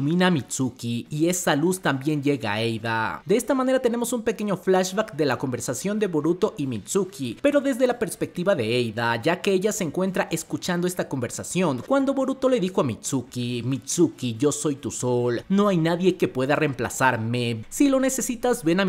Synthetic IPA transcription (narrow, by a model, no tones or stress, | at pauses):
mĩnamit͡ʃukiie̞salust̪ambje̞nɟe̞ɣa̰ejða̰d̪eest̪amane̞ɾat̪e̞ne̞mo̞sumpe̞ke̞ɲoflaʃbakd̪e̞lako̞mbe̞ɾsasjo̞nd̪e̞βoɾut̪o̞ʔimit͡ʃukipe̞ɾo̞ðe̞zðe̞lape̞ɾspe̞k̚t̪iβaðe̞ejðaʝake̞eʝaseːŋkwe̞nt̪ɾaʔe̞skut͡ʃand̪o̞e̞st̪ako̞mbe̞ɾsasjo̞ŋkwand̪o̞βo̞ɾut̪o̞le̞ðixo̞amit͡ʃukimit͡ʃukiʝo̞so̞jt̪usolno̞ajnaðje̞ke̞pwe̞ðare̞mpla̰saɾmesilo̞ne̞se̞sit̪azβe̞na